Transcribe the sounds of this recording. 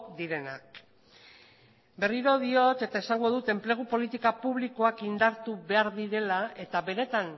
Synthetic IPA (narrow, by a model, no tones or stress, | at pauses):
d̪iɾe̞nak | be̞riɾo̞ðio̞t̪e̞t̪aesaŋɡo̞ðut̪e̞mple̞ɣ̞upo̞lit̪ikapuβliko̞akind̪aɾt̪uβe̞aɾðiɾe̞lae̞t̪aβe̞ne̞t̪an